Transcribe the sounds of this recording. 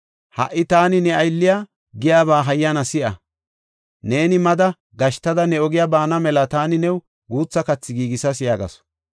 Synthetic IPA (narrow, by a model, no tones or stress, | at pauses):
hɐ̰ʔːɪt̪aːnɪnɛɐjlːɪjaː | ɡɪjaːβaːɦɐjːɐnɐsɪʔɐ̰ | ne̞ːnɪmɐd̪ɐ | ɡɐʃt̪ɐd̪ɐnɛɔɡɪjabaːnɐmɛlɐt̪aːnɪnɛw | ɡuːt͡sːɐkɐt͡sːɪɡiːɡɪsɐsɪjaːɡɐ̰sɔ̥